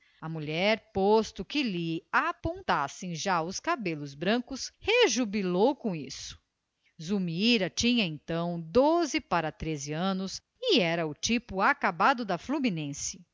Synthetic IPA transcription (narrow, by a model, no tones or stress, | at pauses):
ɐmuʎɛɾpost̪ʊkɪlɪapõt̪asẽj̃ʒaʊskabelʊzbɾɐ̃kʊsheʒubilowkõisʊ̥ | zumiɾɐt͡ʃĩɲɐẽnt̪ɐ̃w̃d̪ozɪpaɾɐt̪ɾezɪɐ̃nʊs | ɪɛɾɐʊt͡ʃipʊakabad̪ʊd̪ɐfluminẽsɪ̥